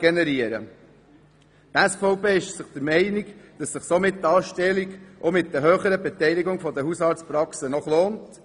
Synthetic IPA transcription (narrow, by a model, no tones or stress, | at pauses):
ɡ̥ɛnɛɾiəɾə̰ | t̪æsfɔʊpeːɪʃsəχd̥̪əɾmɛɪniɡd̥ɑsːəχsomɪt̚dɑːʃtɛliɡʔomɪt̚d̥̪əɦøːχəɾəbɛtɛɪliɡʊŋfɔd̪əhusɑːɾtt͡spɾɑksənɔχloːnt